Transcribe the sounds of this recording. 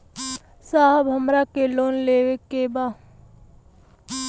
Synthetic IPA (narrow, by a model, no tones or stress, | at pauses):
saːɦəbɦəmɾakeloːnleːʋekːebaː